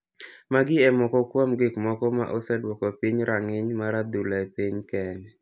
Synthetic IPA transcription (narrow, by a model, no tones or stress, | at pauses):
maɡɪɛmɔkɔkwamɡɪkmɔkɔma̰ʔɔsɛdwɔkɔpiɲɾaŋɪɲmaɾad̪ulaepiɲkɛn